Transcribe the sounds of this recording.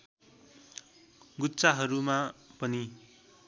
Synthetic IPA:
ɡutːt͡saɦʌɾumapʌni

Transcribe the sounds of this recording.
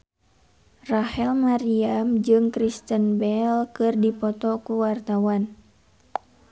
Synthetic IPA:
rahɛlmaɾiamd͡ʒɨŋkɾist̪ənbɛlkɨrdipɔt̪ɔkuwart̪awan

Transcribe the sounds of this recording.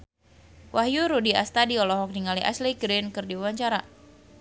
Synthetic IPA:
wʔahjuɾudia̰st̪adiɔlɔɦɔk̚niŋaliʔa̰sliɡɾɪnkɨrdiwawaɲt͡ʃaɾa

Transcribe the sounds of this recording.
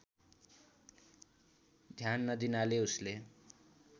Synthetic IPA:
d̪ʱjanːʌd̪inaleusle

